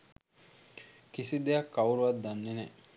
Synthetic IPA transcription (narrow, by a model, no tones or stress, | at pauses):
kisid̪ejakːauɾuʋat̪d̪̚d̪ːanːene